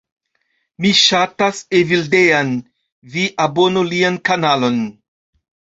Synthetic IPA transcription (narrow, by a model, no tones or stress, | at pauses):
miʃatasevildean | viʔabo̞nuliankanalo̞n